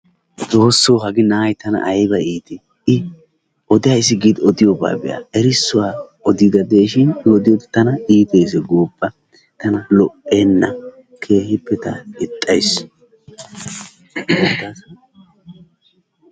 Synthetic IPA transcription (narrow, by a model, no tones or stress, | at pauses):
d̪o̞ːsːoːɦɐɡɪnaːjt̪ɐnɐ̰ʔɐjbɐiːt̪ɪ | ɪ | ɔd̪ɪjaɪsːɪɡiːd̪ɔd̪ɪjoːba̰ːbɛ̰ja̰ʔɛɾɪsːʊwaːɔd̪id̪ɐd̪e̞ːʃɪnɪɔd̪ɪjod̪ɪt̪ɐnɐiːt̪eːs̬ɛɡoːbːɐ | t̪ɐnɐlɔpːeːnːɐ̰ | kʰe̞ːhɪpːɛt̪ɐɪt̪ʼːɐjs | ɐt̪aːs